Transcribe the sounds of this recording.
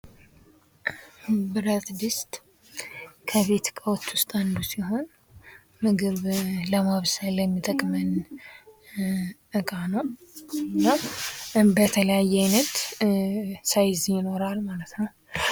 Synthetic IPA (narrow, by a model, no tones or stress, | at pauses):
bɨɾət̪ʼd̪ɨst̪ʼ | kʰəβe̞t̪kʼəwt̪ːwʊst̪ʼand̪usiɦo̞n | mɨɡɨβləmaβsələmːit̪ʼəkʼmɨn | ʔɨkʼanəw | nːa | bət̪ʰələjajːɛajnət̪ | sajzjɪno̞ɾalmalət̪nəw